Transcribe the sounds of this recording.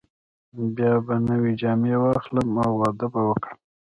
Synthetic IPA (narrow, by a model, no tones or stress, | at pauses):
bjɑbanəwed͡ʒɑmewɑxləmawːɑd̪abawəkɽəm